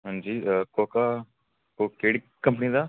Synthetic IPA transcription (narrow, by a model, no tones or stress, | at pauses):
ɦə̃nd͡ʒiːkoːkaː | kokeːɽi | kːəmp̬əniːd̪aː